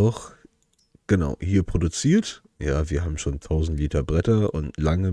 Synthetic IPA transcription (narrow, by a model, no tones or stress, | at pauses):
ʊx | ɡ̥ənaʊhiːɐpʁ̥odut͡siːɐt | jaːviːɐɦaːbm̩ʃoːntʰaʊzn̩tliːtɐbʁɛtɐʔʊntlaŋə